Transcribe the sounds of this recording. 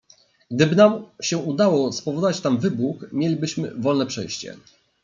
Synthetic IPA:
ɡ̥d̪ɘbɘnamɕɛud̪awɔspɔvɔd̪ɔvat͡ɕt̪amvɘbuxmʲjelʲibɘɕmɘ̰vɔlnɛpʂɛ̰jɕt͡ɕɛ̰

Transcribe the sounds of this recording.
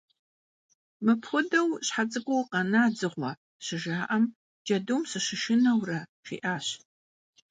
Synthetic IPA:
mɨpʰxʷʊdɐwɕħat͡sʼɨɡʷʊwqɐnaːd͡zɨʁʷɔ | ɕɪʒaːʔɐm | d͡ʒɐdumsɨʃɪʃɪnɐwrɐʃḭːʔaːɕ

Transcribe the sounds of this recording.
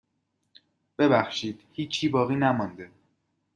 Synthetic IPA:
b̥e̞bæxʃiːd̪̥hiːt͡ʃʰiːbɒːɣiːnæmɒnd̪e

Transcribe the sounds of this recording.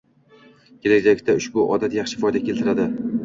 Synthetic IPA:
kʲʰelad͡ʒakʲt̪ʰaʊʃbʊʔɒd̪at̪jɑχʃɪfɒjd̪akʲʰe̞lt̪ʰɪɾad̪ɪ

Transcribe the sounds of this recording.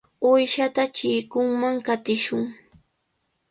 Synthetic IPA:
ʊjʃat̪at͡ʃɪjkʊŋmaŋkat̪ɪʃʊŋ

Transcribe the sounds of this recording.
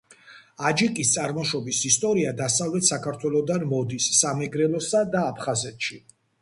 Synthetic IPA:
ad͡ʒikʼist̪sʼaɾmɔʃɔbisist̪ʼɔɾiad̪asavlɛt̪ʰsakʰaɾt̪ʰwɛlˠɔd̪anmɔd̪isːamɛɡɾɛlˠɔsad̪aːpʰχazɛt̪ʰʃi

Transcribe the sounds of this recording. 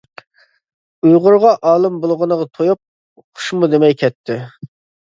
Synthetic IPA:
ujʁʊɾʁɑʔɑːlˠɨmbolˠʁənəʁɑt̪ʰojup̚ | qʰʊ̥ʃmud̪emɛjkʲʰɛt̪ʰːɪ

